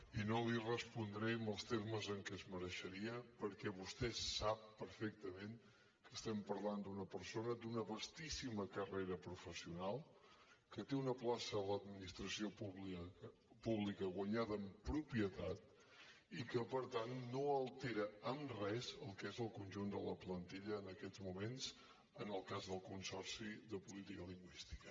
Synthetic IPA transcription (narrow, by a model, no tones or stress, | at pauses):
inolirəspund̪ɾɛəmbəlˠst̪eɾməzəŋkɛzməɾəʃəɾiəpəɾkɛβust̪ɛssapːəɾfɛk̚t̪əmẽŋ | kəst̪ɛmpəɾland̪unəpəɾsonəd̪unəβəst̪isiməkəreɾəpɾufəsiunalˠ | kət̪eunəplasələd̪minist̪ɾəsiopuβi | puβlikəɣwəɲaðəːmpɾupiət̪at̪̚ | ikəpəɾt̪anːoəlˠt̪eɾəəmrɛzəlˠkezəlˠkunʲʒund̪ələplənt̪iʎəːnəkɛd͡zmumenz | ənəlˠkazðəlˠkunsɔɾsiðəpulit̪ikəliŋɡwist̪i̥kə